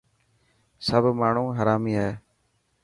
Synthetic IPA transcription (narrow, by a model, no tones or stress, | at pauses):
səbʱmaːɳ̤ũːɦəɾaːmiːaːɦeː